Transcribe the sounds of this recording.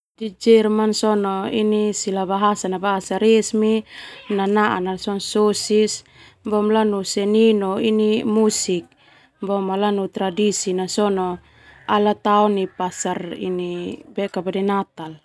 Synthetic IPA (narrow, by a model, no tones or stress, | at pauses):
did͡ʒɛrmansɔnɔinisilabaɦasanabaɦasaɾesminanaʔa̰nasɔnsosis | bɔmlanusɛninɔinimusik̚ | bɔmalanut̪ɾadisinasɔnɔ | alat̪aɔnipasarḭnibɛkabadɛnat̪al